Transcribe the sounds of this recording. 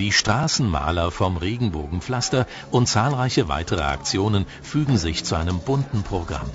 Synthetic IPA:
d̥iːʃtʁ̥aːsn̩ma̰ːlɐfɔmʁeːɡŋ̩boːɡŋ̩flastɐ | ʔʊnt̚t͡saːlʁaɪçəva̰ɪtʰəʁə̰a̰kt͡sjoːnən | fyːɡŋ̩zɪçt͡suʔaɪnəmbʊntn̩pʁ̥oɡʁa̰m

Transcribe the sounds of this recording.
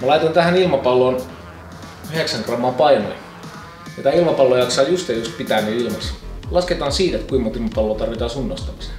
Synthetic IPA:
mælɑit̪ont̪æhænilmɑpɑlːoːn | yheksæŋkrɑmːɑːmpɑino̰j | mit̪æilmɑpɑlːoːjɑksɑːjust̪ejust̪̚pit̪æˑnyilmɑslɑsket̪ɑːnsiːt̪et̪kuimːot̪ilmɑpɑlːoːt̪ɑrʋit̪ɑːsunːost̪ɑmise̥

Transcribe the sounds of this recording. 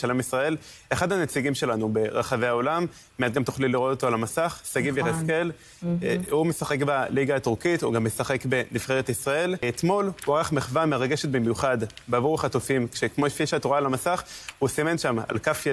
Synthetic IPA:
ʃalemisʁae̞l | eχad̪hanet͡siɡimʃe̞lanube̞ʁaχave̞ao̞lamː | eat̪̚ɡamt̪oχliliʁo̞t̪o̞t̪oalamasaχsaɡiveʁeske̞l | humesaχe̞kbaliɡaːt̪uʁkit̪hṵɡamːesaχe̞kbe̞nifχeʁet̪isʁae̞let̪mo̞lhuaʁaχmeχvameʁaɡe̞ʃet̪̚bemjuχad̪beavuʁaχat̪ofimkʃekmofiʃat̪oʁalamasaχhusime̞nʃama̰lkafj

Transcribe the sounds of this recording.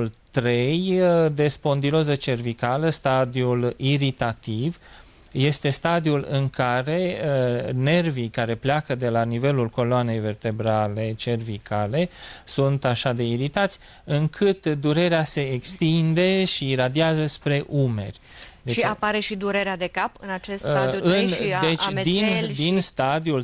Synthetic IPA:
ult̪ɾe̞jd̪e̞spo̞nd̪ilozət͡ʃe̞rvikaləst̪ad̪iuliɾit̪at̪iv | je̞st̪e̞st̪ad̪iulɨ̰ŋkaɾe̞ | ne̞rvikaɾe̞pleakəd̪e̞lanive̞lulko̞loane̞jve̞rt̪e̞bɾale̞t͡ʃe̞rvikʰale̞sunt̪aʃad̪e̞iɾit̪at̪sʲ | ɨŋkʰɨt̪d̪uɾe̞ɾease̞ːkst̪ind̪e̞ʃiɾad̪iazəspɾe̞ʔume̞rʲ | d̪eʃapaɾe̞ʃid̪uɾeɾead̪e̞kapɨnat͡ʃesauɨnd̪et͡ʃd̪ind̪inst̪ad̪iul

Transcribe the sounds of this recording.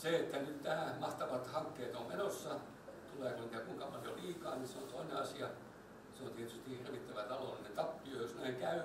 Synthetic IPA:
seet̪ːænyt̪næhæmɑht̪ɑʋɑt̪hɑŋkːeːt̪ommenosːɑ | t̪uleːkunt̪ækuiŋkɑpɑljoliːkɑːniseont̪oineɑsiɑ | seont̪iet̪yst̪ihirʋit̪ːæʋæt̪ɑlolinet̪ɑpːiojosnæiŋkæy

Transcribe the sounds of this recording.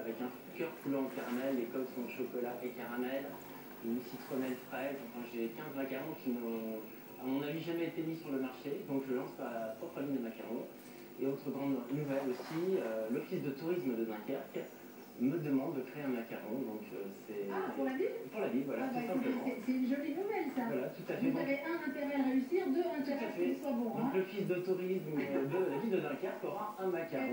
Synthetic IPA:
avɛkɛ̃fũkʲœʁpulɔ̃ɑ̃kaʁamɛlːekɔmsɔ̃ʃɔkɔlaʔekaʁamɛl | ynsit̪χɔnɛlfχɛɑ̃fɛ̃ʒekʲɛ̃zmakaʁɔ̃kʲinə | amɔ̃naviʒamɛet̪emisyʁləmaʁʃed̪ɔ̃kʒəlɑ̃spaʁlapχɔpχəliɲd̪əmakaʁɔ̃ | eot̪χəɡʁɑ̃d̪nuvɛlosiølɔfisd̪ət̪uʁisməd̪əd̪ɛ̃kaʁk | məd̪əmɑ̃d̪ːəkχeeɛ̃makaʁɔ̰̃d̪ɔ̃køsɛalavipuʁlavilvwalausɛ̃ppləmɑ̃ɛsɛynʒolinuvɛlsavwalat̪ut̪afɛaveʔɛ̃ɛ̃t̪eʁɛaʁeysiʁd̪øɛ̃t̪ut̪afɛswabɔ̃klɔfisd̪ət̪uʁismd̪əlavind̪əd̪ɛ̃kʲaʁkɔʁaɛ̃makaʁɔ̃

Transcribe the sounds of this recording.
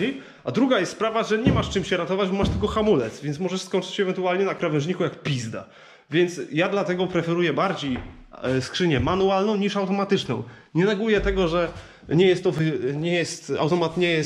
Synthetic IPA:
i | ad̪ɾuɡajɛst̪spɾavaʐɛɲɛmaʂt͡ʂɘmɕɛɾat̪ɔvad͡ʑbɔmaʂt̪ɘlkɔxamulɛt̪svʲɛnsmɔʐɛʂskɔnʲt͡ʂɘt͡ɕɕɛvɛnt̪ualɲɛnakɾavɛ̃ʐɲikujakpʲizd̪a̰ | vʲjɛnt̪sjad̪lat̪ɛɡɔpɾɛfɛɾujɛbaɾd͡ʑej | skʂɘɲɛmanualnɔ̃w̃ɲiʂawt̪ɔmat̪ɘt͡ʂnɔ̰̃w̃ | ɲɛnaɡujɛt̪ɛɡɔʐɛ | ɲɛjɛst̪ːɔvɘɲɛjɛst̪a̰wt̪ɔmat̪ɲɛjɛs

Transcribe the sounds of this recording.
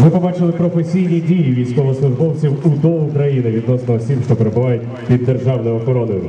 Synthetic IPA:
mɪpɔbɑt͡ʃɪlˠɪpɾɔfesʲijnʲidʲijiʋʲijsʲkɔʋɔsfʊd̪bɔlˠt͡sʲiwud̪ɔʊkɾɐjinɪʋʲid̪nɔsnɐɔsʲimʃt̪ɔpeɾebʊʋɑjʊt̚ʲ | ʋʲid̪ːerʒɑwnɔjɔxɔɾɔnɪjʊ

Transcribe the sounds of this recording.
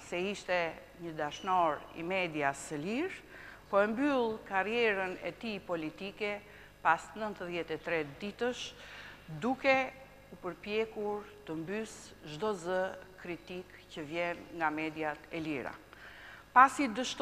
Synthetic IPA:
sɛiʃt̪ɛ | ɲəd̪aʃnɔɾḭmɛd̪jasəliɾ | pɔɛmbylˠkarijɛɾənɛ̰t̪ipɔlit̪ikɛ | pasnənt̪əðjɛt̪ɛt̪ɾɛd̪it̪əʃ | d̪ukɛ | upəɾpjɛkuɾt̪əmbys | ʒd̪ɔzəkɾit̪ik | cəvjɛnŋɡamɛd̪jat̪ɛliɾa̰ | pasid̪əʃt̪

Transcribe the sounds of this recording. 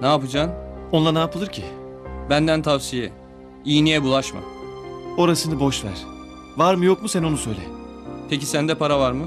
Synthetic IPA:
naːpɯd͡ʒaːnonlˠanaːpʰɯlˠɯɾcʰibænd̪ænt̪ʰavsijɛ | ijnijɛbulˠaʃma̰ | o̞ɾasɯnɯbo̞ʃvæ̰ɾ̥ | vaɾmɯjokmusɛno̞nusø̞jlʲɛ̰pʰecisænd̪ɛpʰaɾavaɾmɯ

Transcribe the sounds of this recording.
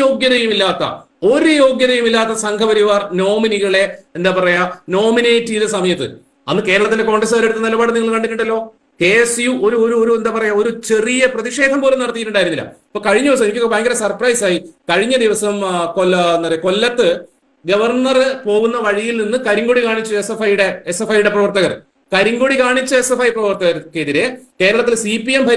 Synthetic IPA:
o̞ːɡjɐðɐjumilːaːt̪ːɐ̰ | o̞ɾujo̞ːɡjɐðɐjumilːaːt̪ːɐsɐŋkʰɐbɐɾiʋaːrno̞ːminiɣɐɭe̞end̪aːpɐrɐjano̞ːmine̞ːtːiðɨsɐmɐjɐt̪ːɨ̰ | ɐnːɨke̞ːɾɐɭɐt̪ːinde̞ko̞ːɳɖes̬ɐːɾe̞ɽut̪ːɐnilɐbaːɽɨniŋːɐɭɨkɐɳɖitːuɳɖɐlːo̞ː | hesjuo̞ɾuoɾuoɾue̞nd̪aːpɐrɐjao̞ɾut͡ɕe̞rijɐprɐðiʂe̞ːd̪ʱɐmpo̞ːlenɐɽɐt̪ikːiʈːuɳɖaːjiɾunːilːɐ̰ipːoːkɐɻiɲːɐiʋɐs̬ɐmnikʲːiobʱaːŋɡɐɾesɐrprɐjsaːjikɐɻiɲːɐd̪iʋɐsɐmkolenːɐpɐrɐjɐko̞lːɐt̪ːɨ | ɡɐʋɐrɳːɐrɨpo̞ːɣunːɐʋɐɻijilninːɨkɐɾiŋɡoɽikaːɳit͡ɕːuesefɐjuɽeesefɐjuɽe̞prɐʋɐrt̪ɐɣɐr | kɐɾiŋɡoɽikaːɳit͡ɕːɨesefɐjprɐʋɐrt̪ɐɣɐrkːeðiɾe̞ke̞ːɾɐɭɐt̪ːilsipːijembʱɐɾ

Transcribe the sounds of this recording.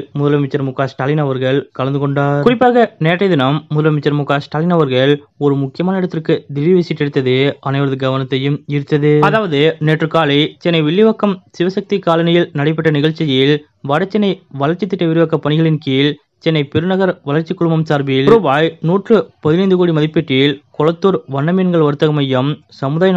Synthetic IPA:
mʊðɐlɐɐmɪt͡ʃːɐɾmʊkːaːsʈaːlɪnɐʋɐɾɣɐɭkɐɭɐnd̪ɯkɔɳɖaːɾkʊɾɪpːaːɣɐneːʈrɐɪðɪnɐmːʊðɐlɐmɪt͡ʃːɐɾmʊkːaːsʈaːlɪnɐʋɐɾɣɐɭ | ɔɾɯmʊkːɪjɐmaːnɐɪɽɐt̪ːɪrkɯd̪ɪʋiʋɪsɪʈːɛɽɯt̪ːɐðɯɐnɐɪʋɐɾɐðɯɡɐʋɐnɐt̪ːɐjɯmɪɾɯt̪ːɐðɯɐðaːʋɐðɯneːʈrɯkaːlɐɪt͡ʃɛnːɐɪʋɪɭːɪʋɐkːɐmsɪʋɐsɐk̚t̪ikaːlɐnɐjɪlnɐɽɐɪp̬ːɐʈːɐnɪɣɐɭt͡ʃːɪjɪl | ʋɐɽɐt͡ʃːɛnːɐɪʋɐlɐɾt͡ʃːɪt̪ːɪʈːɐʋɪɾɪʋɐkːɐpːɐnɪɣɐɭɪnkiːl | t͡ʃɛnːɐɪpɛɾɯnɐɣɐɾʋɐlɐɾt͡ʃɪkːʊɽɯmɐmsaːɾbɪlɾobaːjnuːʈrɯpɐðɪnɐɪnd̪ɯkoːɽimɐðɪpːɪʈːɪlkɔɭɐt̪ːuːɾʋɐɳːɐmenɡɐɭʋɐɾɯt̪ːɐɣɐmɐjːɐm | sɐmɯðaːjɐ

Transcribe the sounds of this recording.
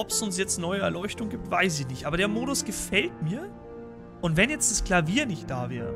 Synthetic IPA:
ɔpsʊns̬jɛt͡stnɔʏəɛɐlɔʏçtʊŋɡiːp̚tv̥aɪs̬ɪçnɪçtʔaːbɐɾeːɐmoːɾʊsɡ̥əfɛltmiːɐ | ʔʊntvɛnjɛt͡std̥askl̥aviːɐnɪçt̚d̥aːvɛ̰ːʁə̰

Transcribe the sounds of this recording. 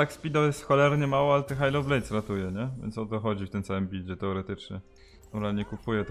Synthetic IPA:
t̪akspʲid̪ɔjɛst̪xɔlɛɾɲɛmawɔalɛt̪ɛxajlɔblɛjt̪sɾat̪ujɛɲɛvʲjɛ̰nsɔt̪ɔxɔd͡ʑift̪ɘmt̪sawɘmbʲild͡ʑɛt̪ɛɔɾɛt̪ɘt͡ʂɲɛ | ɾalɲɛkupujɛt̪

